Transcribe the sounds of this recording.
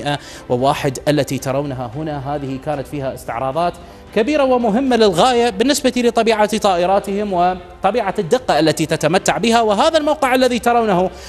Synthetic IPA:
ʔa | wɪwaːħɪd̪ʔalːat̪it̪ɑɾˤawnɦaɦʊnaɦaːðɪhikaːnat̪fiːhaʔɪst̪ɪʕɾˤɑːðˤɑːt̪ | kabiːɾawɪmʊɦɪmːalɪlɣaːjabɪnːɪsbat̪ilɪt̪ˤɑbiːʕat̪ˤɑːʔɪɾˤɑːt̪ɪhɪmwɪ | t̪ˤɑbiːʕad̪ːɪqːɑʔalːat̪it̪at̪amat̪ːaʕbɪhawɪɦaːðalmawqɪʕalːaðit̪ɑɾˤawnahu

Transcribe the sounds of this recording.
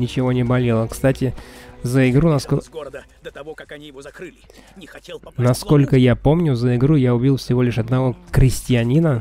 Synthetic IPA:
nʲɪt͡ɕɪvo̞nʲɪbɐlʲelˠəkst̪atʲɪzəɪɡɾunɐsk | nɐsko̞lʲkəjapo̞mnʲʊzəɪɡɾujaʊbʲilˠfsʲɪvo̞lʲɪʂɐd̪nɐvo̞kɾʲɪsʲtʲɪɐnʲinə

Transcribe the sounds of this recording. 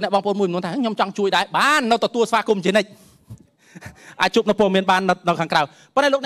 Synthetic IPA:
oknɛəʔɓɑːŋpə̰ʔo̰ːnmuət͡ɕmnuət̪ʰaːkʰɲomt͡ɕɑŋt͡ɕuəjɗaɛɓaːnːɨwt̪ɔt̪uəlsʋaːkumt͡ɕiənɨc̚ | ʔaːc̚t͡ɕuːəpnɨwpɔəmiənɓaːnːnɨwkʰaːŋkraəw | ponɗaːloːk̚nɛ

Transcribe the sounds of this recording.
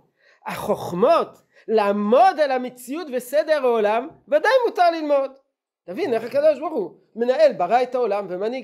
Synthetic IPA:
aχo̞χmo̞t | laːmo̞d̪elamet͡siutvesed̪eʁaolamvad̪ajmutaʁlilmo̞d̪ | tavineχakad̪o̞ʃboʁχu | me̞naʔe̞lbaʁajtaolamvemaniɡ

